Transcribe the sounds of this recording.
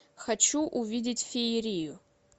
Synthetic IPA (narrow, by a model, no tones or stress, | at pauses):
xɐt͡ʃuʔuvʲidʲɪtʲfʲeɪɾʲijʊ